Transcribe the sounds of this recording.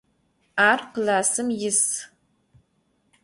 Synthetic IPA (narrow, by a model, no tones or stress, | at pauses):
aːrqlaːsɨmjɪs